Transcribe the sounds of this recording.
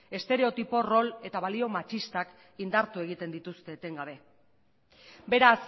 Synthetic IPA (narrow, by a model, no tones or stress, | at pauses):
e̞st̪e̞ɾe̞o̞t̪ipo̞ro̞le̞t̪aβalio̞mat͡ʃist̪ak | ind̪aɾt̪ue̞ɣ̞it̪e̞nd̪it̪ust̪e̞ːt̪e̞ŋɡaβe̞ | be̞ɾas